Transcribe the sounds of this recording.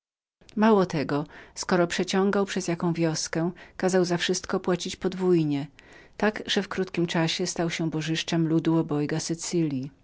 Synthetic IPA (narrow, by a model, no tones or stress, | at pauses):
mawɔt̪ɛɡɔskɔɾɔpʂɛt͡ɕɔ̃ŋɡawpʂɛzjakɔ̃w̃vʲjɔskɛkazawzafʂɘst̪kɔpwat͡ɕit͡ɕpɔd̪vujɲɛt̪aɡʐɛfkɾut̪kʲimt͡ʂaɕɛst̪awɕɛbɔʐɘʂt͡ʂɛmlud̪uɔbɔjɡasɘt̪sɘlʲji